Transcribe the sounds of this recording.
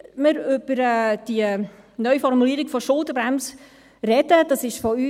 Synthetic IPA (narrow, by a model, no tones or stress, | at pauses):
məɾʏb̥əɾɛːd̥iə | nœʏfɔrmuliːɾɪɡfɔʃʊlˠtəbɾæms | rɛdəd̥ɑsɪʃfɔyː